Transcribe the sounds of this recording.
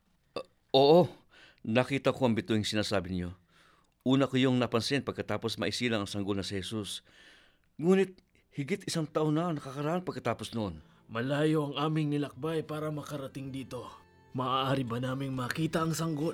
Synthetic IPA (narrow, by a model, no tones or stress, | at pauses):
ʔo̞ːʔo̞ | nɐkiːt̪ɐkoɐŋbɪt̪uiŋsɪnaːsaːbɪnɪɲo̞ | ʔuːnɐkʊjoŋnɐpɐnsɛnpɐɡ̚kːɐt̪aːpo̞smɐʔɪsiːlɐŋɐŋsɐŋɡolnɐsɪhɛsus | ŋuːnɪt̪̚ | hɪɡɪt̪ɪsaŋt̪aʔonɐʔɐnɐkɐkɐɾɐʔanpɐɡkːɐt̪aːpo̞snoʔon | mɐlaːjo̞ʔɐŋʔaːmɪŋnɪlɐk̚bajpaːɾɐmɐkɐɾɐt̪iŋd̪iːt̪o̞ | mɐʔaːʔaːɾibɐnaːmɪŋmɐkiːt̪ɐʔɐŋsɐŋɡol